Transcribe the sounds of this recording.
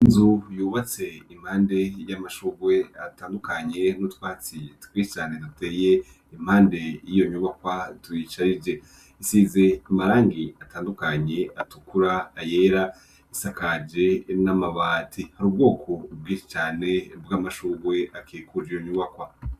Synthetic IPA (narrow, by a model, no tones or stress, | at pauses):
inzujuːβat͡se̞im̥haːnde̞jamaʃuːɡwe̞ataːndukaɲe̞nutwaːt͡sitwiːʃit͡ʃaːnedute̞ːje | im̥haːnde̞jijo̞ɲuːβakwatuit͡ʃaɾid͡ʒe̞ | isize̞imaɾaːŋɡiataːndukaɲe̞atukuɾaːjeːɾa | isakad͡ʒe̞namaβaːtʰihaɾuːb̚ɡo̞ːkʰo̞ub̚ɡiːʃit͡ʃaːne̞bɡamaʃuɡwe̞ʔakʰeːkud͡ʒijoɲuːβakwa